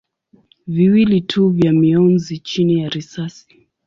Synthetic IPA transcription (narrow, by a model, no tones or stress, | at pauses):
viwilitʰuvjamiɔnzit͡ʃinijaɾisasi̥